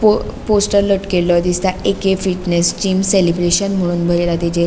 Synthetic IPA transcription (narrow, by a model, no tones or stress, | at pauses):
oposʈəɾləʈkelɔt̪ist̪aekefiʈnest͡ɕiːmselibɾeɕənm̤əɽ̃uːnbʱəɾelat̪id͡ʑe